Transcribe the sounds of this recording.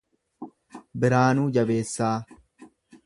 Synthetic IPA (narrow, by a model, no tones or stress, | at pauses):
bɪɾaːnuːd͡ʒɐbe̞ːsːaː